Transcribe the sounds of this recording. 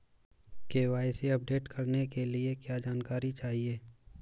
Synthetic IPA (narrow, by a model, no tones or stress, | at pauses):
keːʋaːɪseɐp̚ɖeːʈkʰɐɾnekeliekjaːd͡ʒaːnkaːɾit͡ʃaːɦieː